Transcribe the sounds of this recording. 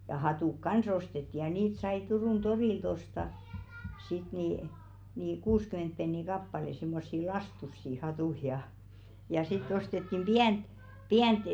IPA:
jɑˑ jɑ hɑtuˑk kɑns ostetːi jɑ niːt sɑi turuˑn d̥oriˑlt ostɑ sit niˑ niˑ kuːskyment penːi kɑpːɑle simːosːi lɑstusːi hɑtuˑ jɑ jɑ sitː ostetːim b̥iænt̆ piænt

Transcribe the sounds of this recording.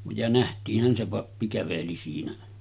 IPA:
jɑ næhtiːhˑæn se pɑpːi kæʋeli siːnæ

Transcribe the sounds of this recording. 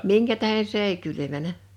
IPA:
miŋkæ tæhe s eˑi kylymænæ

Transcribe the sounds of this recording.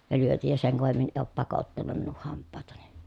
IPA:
jɑ lyøtij jɑ seŋ koʋemːin e oˑp pɑkotːɑnum minuh hɑmpːɑˑetɑni

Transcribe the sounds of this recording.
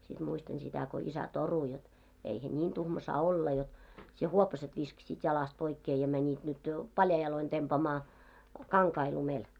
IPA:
sit muistɑn sitæ ko isæ toru jot eihæ niːn tuhmɑ sɑː olːɑ jot sie huopɑset ʋiskɑ̆siːt jɑlɑst poikːeː jɑ mænʲit nyt jo pɑljɑi jɑloin tempɑːmɑː kɑŋkɑi lumel

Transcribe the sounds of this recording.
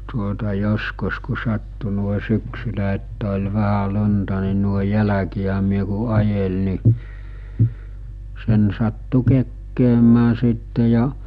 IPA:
tuotɑ joskus ku sɑtːu nuoe syksylæ etːæ̥ olʲ ʋæhæ lu̟ntɑ ni nuoe jælækiæ myø ku ɑjel ni sen sɑtːu kekːeːmæː siˑtːe jɑ

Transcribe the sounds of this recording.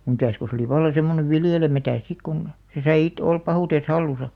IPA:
mitæˑs ko se oli ʋɑlːɑ semːone ʋiljelemætæˑs sik kun se sɑi it olp pɑhuˑtes hɑlːusɑ

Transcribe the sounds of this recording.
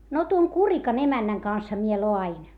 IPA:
no tuoŋ kurikɑn emænːæŋ kɑnshɑ mie loɑin

